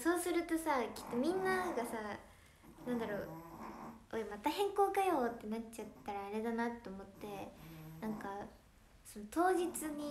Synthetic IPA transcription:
so̞ːsɨɾɯ̟t̪o̞sakʲi̥t̪ːo̞mʲĩnːaɡasa | nãnd̪aɾo̞ː | omat̪ahẽ̞ŋko̞ːkajo̞ːt̪ːe̞nat͡ɕat̪ːaɾaːɾe̞d̪anat̪ːe̞omo̞t̪ːe̞nãŋka | so̞not̪o̞ːʑit͡sɨɲ̟i

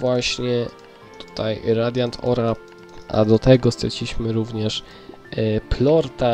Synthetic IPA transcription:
vwaɕɲɛ | t̪u̥t̪ajɾad̪ʲjant̪ʰɔ̰ɾa | a̰d̪ɔt̪ɛɡɔst̪ɾɛt͡ɕʲiɕmɘɾuvɲɛʂ | plɔɾt̪a

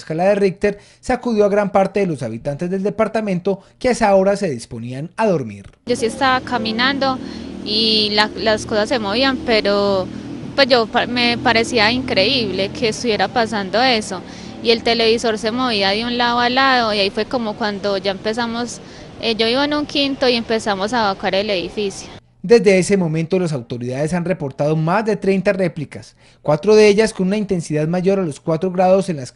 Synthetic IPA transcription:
skalaðerik̚t̪eɾ | seakuðjo̞aɣɾampaɾt̪e̞ðelo̞saβit̪ant̪e̞zd̪e̞ld̪e̞paɾt̪amẽ̞nt̪o̞keesao̞ɾase̞ðispo̞nianaðo̞ɾmḭɾosie̞st̪aβakaminand̪o̞ilalasko̞sasːe̞mo̞βiampe̞ɾopwezd͡ʒo̞pme̞paɾe̞siaiŋkɾe̞iβle̞kʰe̞ːst̪uβjeɾapasand̪o̞e̞so̞ | ie̞lt̪e̞le̞βiso̞ɾse̞mo̞βiaðeunlaðoalaðo̞iaifwe̞ko̞mo̞kwand̪o̞d͡ʒaempe̞s̬amos | ed͡ʒo̞βiβoenuŋkint̪o̞ie̞mpe̞samo̞saβakaɾe̞le̞ðifisjo | d̪e̞zd̪e̞ese̞mõ̞mẽnt̪o̞las̬awt̪o̞ɾiðaðesanre̞po̞ɾt̪aðo̞mazd̪e̞t̪ɾe̞jnt̪are̞plikas | kwat̪ɾo̞ðeeʝasko̞nunaint̪e̞nsiðaðmaʝo̞ɾalo̞skwat̪ɾo̞ɣɾaðo̞se̞nlas

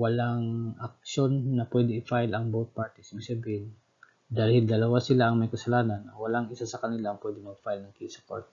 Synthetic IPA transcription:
wɐlaŋʔɐk̚ʃo̞nːɐpwɛd̪ɪɪfajlɐŋbowt̪̚paɹt̪ɪsɪbiɡ̚sabiːhɪn | d̪aːlhɪld̪ɐlɐwasɪlaʔɐŋmɐjkɐsɐlaːnɐnɐwɐlaŋɪsasɐkɐnɪlaːŋpwɛd̪ɪnɐɡfajlnɐɡ̚kisɐko̰ɹt̪

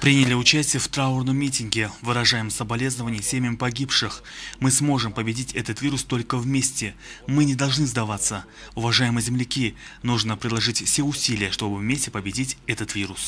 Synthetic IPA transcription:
pɾʲinʲɪlʲɪʊt͡ɕæsʲtʲɪjəft̪ɾaʊrnəmːʲitʲɪnɡʲɪvɨɾɐʐajɪmsəbɐlʲe̞znəvənʲɪjsʲemʲəmpɐɡʲipʂɨxmɨsmo̞ʐɨmpəbʲɪdʲitʲɛt̪ət̪vʲiɾʊst̪o̞lʲkəvmʲesʲtʲɪmɨnʲɪd̪ɐlˠʐnɨzd̪ɐvat̪sːə | ʊvɐʐajɪmɨzʲɪmlʲɪkʲinuʐnəpɾʲɪlˠɐʐɨtʲfsʲeʊsʲilʲɪjəʂt̪o̞bɨvmʲesʲtʲɪpəbʲɪdʲitʲɛt̪ət̪vʲiɾʊs

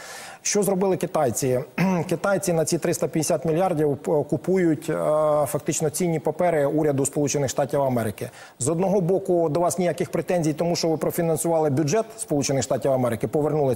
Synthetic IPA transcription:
ʃt͡ʃɔzɾɔbɪlˠɪkɪt̪ɑjt͡sʲikɪt̪ɑjt͡sʲinɐt͡sʲit̪ɾɪst̪ɐpʲjɐd̪ʲesʲat̪mʲilʲjɑrdʲiwɔkʊpujʊtʲfɐkt̪ɪt͡ʃnɔt͡sʲinʲːipɐpɛɾɪuɾʲɐd̪ʊspɔlˠut͡ʃenɪxʂʃt̪ɑtʲiwɐmɛɾɪkɪ | zɔd̪nɔɦɔbɔkʊd̪ɔʋɑsnʲijakɪxpɾet̪ɛnʲzʲijt̪ɔmuʃt͡ʃɔʋɪpɾɔfʲinɐnsʊʋɑlˠɪbʲʊd͡ʒʒɛt̪spɔlˠut͡ʃenɪxʃt̪ɑtʲiwɐmɛɾɪkɪpɔʋernulˠɪ

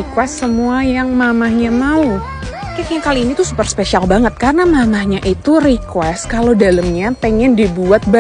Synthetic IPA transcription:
ikwɛsːəmuajaŋmamahɲamau | kekɲakaliːnit̪usupərspesialbaŋət̪̚karənamamahɲaʔit̪urikwɛskalodaləmɲapɛŋɛndibuat̪̚ba

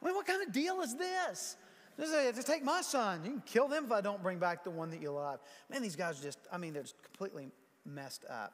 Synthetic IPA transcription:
mĩnwʌt̚kʰãɪ̃ndʌdilˠəzðɪs | d͡ʒʌsed͡ʒʌstʰeɪk̚maɪsʌ̃njɨkʰɪlˠðɨ̃məfaɪdõʊ̃nb̥ɹɪ̃ŋbæk̚ðəwʌ̃nðɨt͡ʃəlʌv̥mɨ̃nðizɡaɪzə˞d͡ʒʌstaɪmĩnðə˞ʌkʰm̩pʰl̥ḭʔˡli | mɛstʰʌ̰p̚

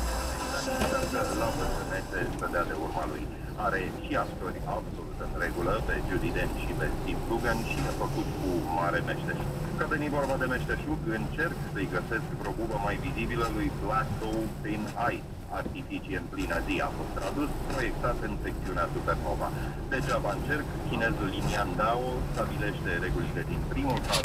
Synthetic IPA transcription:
at͡ʃesazəlabəsɨnesesəd̪ead̪e̞urmalṵj | aɾe̞ʃiapt̪o̞rʲabso̞lut̪ɨnɾe̞ɡuləpe̞d͡ʒud̪id̪enʃipe̞st̪ifluɡənʃiefəkut̪kumaɾe̞me̞ʃt̪eʃukkavenivo̞rbad̪e̞me̞ʃt̪eʃukɨnt͡ʃe̞rksəjɡəse̞skpɾo̞bubəmajvizibiləlujplakowpinajt̪ | a̰rt̪ifit͡ʃieɨnplinazia̰fo̞st̪ːɾad̪uspɾo̞je̞k̚t̪at̪ɨnse̞k̚t̪siuneasuperno̞̰va̰d̪e̞ʒavaɨnt͡ʃe̞rkkʲine̞zliniand̪aost̪abile̞ʃt̪e̞ɾe̞ɡulile̞d̪inpɾimulpa

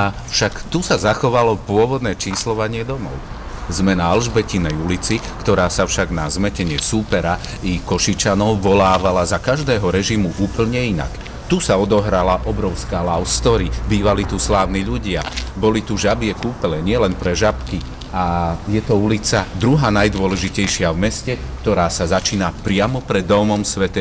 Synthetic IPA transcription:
afʃakt̪usazaxɔʋalɔpʊɔʋɔd̪nɛːt͡ʃiːslɔʋaɲɪɛd̪ɔmɔ̰ʊ | zmɛnaalʒbɛcinɛjulit͡si | kt̪ɔɾaːsafʃaɡnazmɛcɛɲɪɛsuːpɛɾa | ikɔʃit͡ʃanɔʊʋɔlaːʋalazakaʒd̪ɛːɦɔɾɛʒimuʔuːpl̩ɲɛina̰k | t̪usaɔd̪ɔɦɾalaʔɔbɾɔʊskaːlaʊst̪ɔɾibiːʋalit̪uslaːʊniʎuɟɪabɔlit̪uʒabɪɛkuːpɛlɛɲɪɛlɛnpɾɛʒapki | ajɛt̪ɔulit͡sad̪ɾuɦaːnajd̪ʊɔlɛʒicɛjʃɪavmɛscɛkt̪ɔɾaːsazat͡ʃiːnapɾɪamɔpɾɛd̪ːɔmɔmsʋɛt̪ɛ

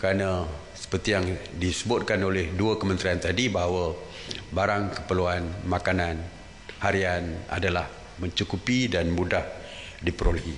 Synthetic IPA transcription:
kəɾanə | sə̥pərt̪ijaŋdisəbʊt̪̚kanolɛhduəkəmə̃nt̪ɾiant̪adibaɦawa | baɾaŋkəpəluanmakanan | haɾiana̰dalah | mə̃ɲt͡ʃukupidanmudah | dipəɾoləɦi

